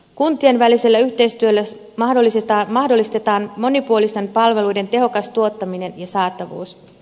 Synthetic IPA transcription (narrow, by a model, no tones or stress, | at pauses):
kunt̪ienʋælise̞lːæyçt̪e̞jst̪yølːæ | mɑɦdo̞lːist̪ɑːmɑhdo̞lːist̪e̞t̪ɑːnmo̞nipuo̞list̪e̞mpɑlʋe̞lujde̞nt̪e̞ɦo̞kɑst̪uo̞t̪ːɑmine̞njɑsɑːt̪ːˑɑʋṵːs